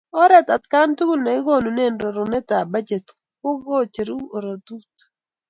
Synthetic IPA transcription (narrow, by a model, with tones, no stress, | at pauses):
ɔ˦ɾɛ˦t̪a˨t̚ka˦ntu˦ɡu˦lna˨ɪ˦ɡo˦nu˨ne˦˨nɾo˨ɾo˨nɛ˦t̪a˨ba˦d͡ʒe˨t | ko˦ɡo˦t͡ʃe˨ɾu˦o˨ɾo˨t̪u˦t